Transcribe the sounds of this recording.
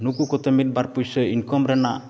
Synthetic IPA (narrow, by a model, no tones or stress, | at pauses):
nukukɔt̪emit̪̚baɾpujsəinkɔmɾɛnaʔ